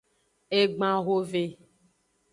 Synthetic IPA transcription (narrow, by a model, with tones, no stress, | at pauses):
e˦ɡ͡bã˦ɣo˦ve˦